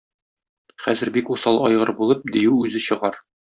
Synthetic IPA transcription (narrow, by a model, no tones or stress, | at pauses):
χæzɘ̆ɾbikusɑlˠɒjʁɤɾbulˠɤp̚d̪ijʉʉzɘɕɤ̆ʁɑɾ